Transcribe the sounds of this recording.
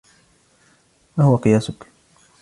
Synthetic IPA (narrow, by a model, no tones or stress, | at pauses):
wahʊwaqɨjaːsʊk